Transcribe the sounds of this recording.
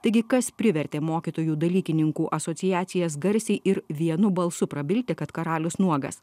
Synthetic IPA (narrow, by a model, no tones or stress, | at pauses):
t̪ɐɪɡʲɪkɐspʲɾʲɪʋʲɛɾʲt̪ʲeːmoːkʲit̪oːjuːd̪ɐlʲiːkʲɪnʲɪŋkuːʔɐsoːt̪sʲɪjæːt̪sʲɪjɛsɡɐɾʲsʲɛɪʔɪɾʋʲiɛnʊbɐlˠsʊpɾɐbʲɪlʲt̪ʲɛkɐt̪kɐɾɑːlʲʊsnuɔɡɐ̰s